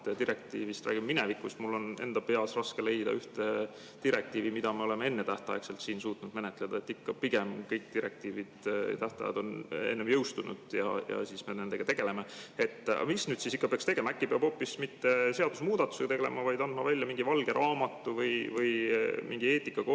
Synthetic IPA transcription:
t̪et̪iɾek̚t̪iːvist̪ræ̰ːɡ̥imminevikːusmulːo̞ne̞̰nd̪̥ɑpe̞ɑsrɑske̞le̞jd̪̥ɑ̰yht̪e | t̪iɾek̚t̪iːvimid̪ɑme̞o̞le̞mee̞nːe̞t̪æht̪ɑ̰jekselt̪siːnsuːt̪ˑnud̪̥me̞net̪ːˑle̞d̪ɑe̞t̪ːikːɑpiɡ̥emkɤjk̚t̪iɾek̚t̪iːvid̪̥̰t̪æht̪ɑ̰jɑ̰d̪̥o̞nḛnːemjɤwst̪unṵd̪̥jɑ̰jɑ̰siːsme̞ne̞nd̪e̞ɡ̥ɑt̪e̞ɡe̞le̞mee̞t̪ːˑɑ̰misnyːd̪̥siːsikːɑpeɑkst̪e̞ɡ̥e̞mɑækːipeɑb̥o̞ːpːismit̪ːe̞se̞ɑd̪̥usmuːd̪̥ɑt̪ːˑu̥seɡ̥t̪eɡele̞̰mɑvɑjd̪ɑnd̪̥mɑvælʲːjɑmiŋɡivɑlɡ̥e̞ɾʔɑːmɑt̪ːˑuvɤjvɤjmʔiŋɡ̥ie̞ːt̪ˑikːɑko

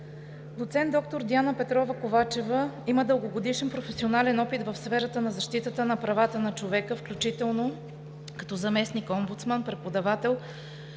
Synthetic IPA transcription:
d̪ot̪sɛnt̪ɔk̚t̪oɾd̪ianəpɛt̪ɾɔvəkovat͡ʃɛvəiməd̪ɤlˠɡoɡod̪iʃɛnpɾofɛsionalɛnɔpit̪vəfsfɛɾət̪ənɐzɐʃt̪it̪ət̪ənɐpɾɐvat̪ənɐt͡ʃovɛkəfklʲut͡ʃit̪ɛlˠno | kɐ̥t̪ɔzɐmɛsnikɔmbut̪smanpɾɛt̪pod̪ɐvat̪ɛlˠ

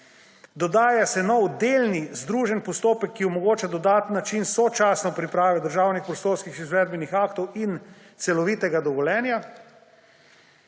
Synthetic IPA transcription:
d̪ɔd̪aːjasɛnɔwd̪elnizd̪ɾuːʒɛnpɔst̪oːpɛkːiɔmɔɡoːt͡ʃad̪ɔd̪aːt̪ənːat͡ʃinsɔt͡ʃaːsnɔpɾipɾaːʋɛd̪əɾʒaːwnixpɾɔst̪oːɾskixizʋɛːd̪̚bɛnixaːkt̪ɔwin | t̪sɛlɔʋiːt̪ɛɡad̪ɔʋɔlʲɛːnja

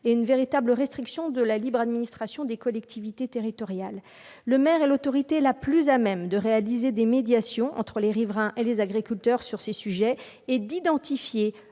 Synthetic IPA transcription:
eynveʁit̪abləʁɛst̪χiksjɔ̃d̪əlalibʁad̪minist̪χasjɔ̃d̪ekɔlɛk̚t̪ʰivit̪et̪eʁit̪ɔʁjalː | əmɛʁɛlot̪ɔʁit̪elaplyzamɛmd̪əʁealized̪emed̪jasjɔ̃ʔɑ̰̃t̪χəleʁivʁɛ̃ʔelezaɡʁikʲylt̪œʁsyʁsesyʒɛ | ed̪id̪ɑ̃t̪ifje

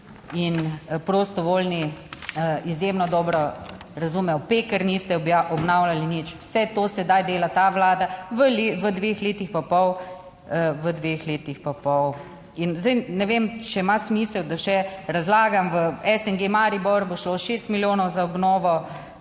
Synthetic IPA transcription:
inpɾost̪ɔʋolniəizjemnɔd̪ɔːbɾɔ | ɾɐzuːmɛjɔpekəɾnist̪ɛaʔɔbnawlalinit͡ʃwsɛt̪osɛd̪ajd̪eːlat̪aʋlaːd̪aʋəleʋəd̪ʋeːxleːt̪ixpapɔw | əʋəd̪ʋeːxleːt̪ixpapɔw | inzd̪ɛjnɛʋemt͡ʃɛmasmiːsəwd̪aʃɛɾazlaːɡamʋəɛsɛnɡemaɾibɔɾboʃloːʃest̪miljoːnɔwzaɔbnɔːʋɔ

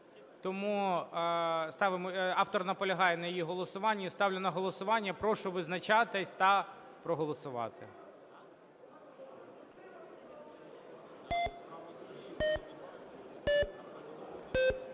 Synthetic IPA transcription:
t̪ɔmu | st̪ɑʋɪmɔɑft̪ɔrnɐpɔlʲɐɦɑjɛnɐjɔjiɦɔlˠɔsʊʋɑnʲːist̪ɑwlʲɐnɐɦɔlˠɔsʊʋɑnʲːɐpɾɔʃʊʋɪznɐt͡ʃɑt̪ɪsʲt̪ɐ | pɾɔɦɔlˠɔsʊʋɑ̰t̪ɪ̰

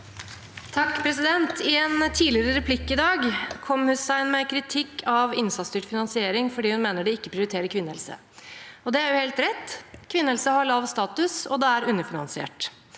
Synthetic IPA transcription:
t̪ʰɑkːpʰɾɛsɪd̪ɛnt̪ʰɪɛnt̪ʰiːlɪəɾəɾɛpʰlɪkːɪd̪ɑːɡkʰɔmːhʉsæɪnmɛkʰɾɪt̪ʰɪkʰːɑʋɪnsɑt̪st̪yːʈfɪnɑnsɪeːɾɪŋfɔɖiːhʉnmeːnəɖɛɪkːəpʰɾɪʊɾɪt̪ʰeːɾəkʰʋɪnːəɛlsə̰ | ɔd̪ɛæjʊheːlt̪ɾɛt̪ːkʰʋɪnːɛlsəhɑɭɑʋst̪ɑːt̪ʉsɔ̰d̪ɛæɾʉnːəfɪnɑ̰nsɪḛːʈ

